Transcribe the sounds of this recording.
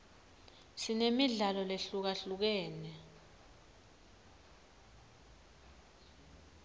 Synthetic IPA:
sinemiɮalɔleɬuk̬aɬuk̬ɛːnɛ

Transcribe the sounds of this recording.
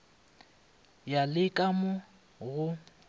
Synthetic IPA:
jalɪkʼamʊ | ɣʊ

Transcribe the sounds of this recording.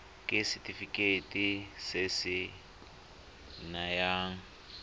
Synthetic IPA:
kʼɪsɪtʰʼifikʼetʼisɪsɪ | najaːŋ̩

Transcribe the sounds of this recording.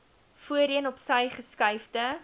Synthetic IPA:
fuəɾiənɔpsəjχəskɐjfdə

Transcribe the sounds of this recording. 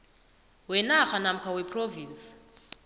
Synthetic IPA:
wɛnaxanam̩kʰawɛpʰʼroviːnt͡s

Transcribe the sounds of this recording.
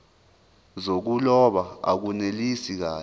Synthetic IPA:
zok̬ulɔɓaa̰k̬unelisik̬aː

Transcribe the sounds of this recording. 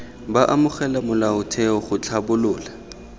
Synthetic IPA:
baʔamʊχɛlamʊlaʊtʰɛɔχʊt͡ɬʰabʊlʊːla

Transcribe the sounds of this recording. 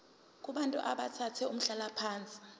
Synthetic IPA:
k̬ʼuɓantʼuʔa̰ɓatʰatʰɛum̩ɬalapʰaːnt͡sʼi̥

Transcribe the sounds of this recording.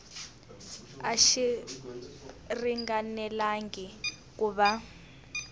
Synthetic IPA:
aʃi | riŋɡanɛlaŋɡi | k̬uβa

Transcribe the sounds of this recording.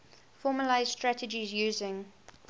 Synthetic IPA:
fɔːməlaɪz̥stɹætəd͡ʒizjʉːzɪ̃ŋ

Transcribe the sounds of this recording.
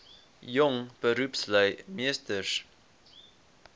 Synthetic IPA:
jɔŋb̥əɾupsləjmiəstərs

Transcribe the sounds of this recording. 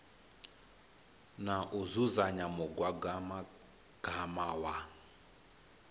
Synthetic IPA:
naʔuzuzaɲamɔɡwaɡama | ɡ̥ʱamawa

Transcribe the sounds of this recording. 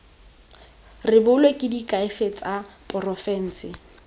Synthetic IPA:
rɪbʊlwekʼɪdikʼaɪfet͡sʼapʼɔrɔfɛn̩ːsɪ

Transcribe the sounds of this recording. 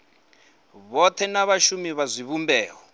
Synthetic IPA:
βɔt̪ʰɛnaβaʃumiβazʷiβumbɛːɣɔ

